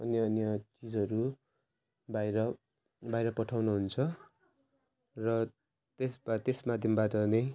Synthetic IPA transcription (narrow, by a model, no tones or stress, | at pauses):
ʌnjʌʌnjʌt͡sid͡zʌɾu | bajɾʌ | bajɾʌpʌʈʰawnuɦunt͡sʰʌ | rʌ | t̪esbat̪esmad̪ʱjʌmbaʈʌnʌj